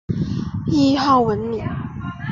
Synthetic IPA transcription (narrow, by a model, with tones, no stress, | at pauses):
i˥˧xɑ˥˩ʊwə˧˥nmi˨˩˦ŋ